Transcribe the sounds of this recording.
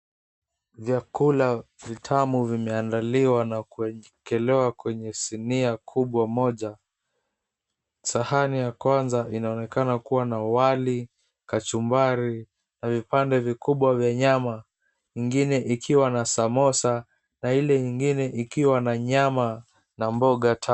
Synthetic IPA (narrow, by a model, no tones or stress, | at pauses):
vjakulavitʰamuvimɛandaliwanakuɛ | kɛlɛwakwɛɲɛsiniakʰuɓwamɔʄa | sahanijakwanzaʔinaɔnɛkanakuwanawali | kat͡ʃumbaɾi | navipandɛvikuɓwavjaɲama | iŋɡinɛʔikʰiwanasamɔsa | nailɛɲiŋɡinɛʔikiwanaɲama | nambɔɠatʰa